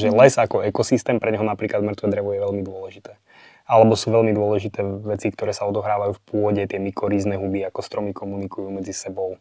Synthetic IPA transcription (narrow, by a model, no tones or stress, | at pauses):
ʒɛlɛzakɔɛkɔsist̪ɛːmpɾɛɲɦɔnapɾiːklad̪mr̩t̪ʋɛd̪ɾɛʋɔjɛʋɛʎmid̪ʊɔlɛʒit̪ɛː | alɛbɔsuːʋɛlmid̪ʊɔlɛʒit̪ɛːʋɛt͡sikt̪ɔɾɛːsaɔd̪ɔɦɾaːʋajuːfpʊɔɟɛt̪ɪɛmikɔɾiːznɛɦubiakɔst̪ɾɔmikʰɔmunikujuːmɛd͡zisɛbɔʊ